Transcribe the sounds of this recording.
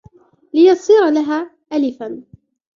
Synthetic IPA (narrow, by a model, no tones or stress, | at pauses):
lɪjɑsˤiːɾalaɦaː | ʔalɪfan